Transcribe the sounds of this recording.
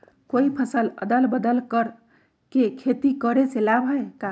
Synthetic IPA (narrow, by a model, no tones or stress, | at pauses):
koipʰəsələ̰d̪əlbəd̪əlkəɾ | kekʰet̪ikəɾeselabʱɦəeka